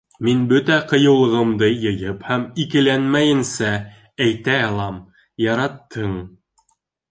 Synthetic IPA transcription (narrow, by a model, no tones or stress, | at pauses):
minbɵt̪æqɤ̆jɤ̆wlˠɤ̆ʁɤ̆md̪ɤjɤ̆jɤphæmikɘ̆lænmæjɘ̆nsæ | æjt̪æɑlˠɑm | jɑɾɑt̪ːɤɴ